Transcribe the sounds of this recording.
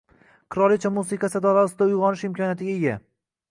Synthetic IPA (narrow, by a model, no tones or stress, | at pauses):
qʰɨɾɒlˠɪt͡ʃʰamusɪqʰasɪd̪ɒlasɪd̪aʊjʁɒnɪʃɪmkʰʲɒnjat̪ɪɡʲaeɡʲa